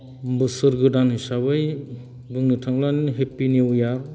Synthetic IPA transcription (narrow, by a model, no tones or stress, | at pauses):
bɯsɯɾɡɯdanhisabɯj | bɯŋnɯtʰaŋlanɦepinewjaɾ